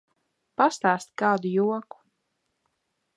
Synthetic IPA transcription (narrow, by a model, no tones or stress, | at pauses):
past̪aːst̪ʲkaːd̪ujuɔku̥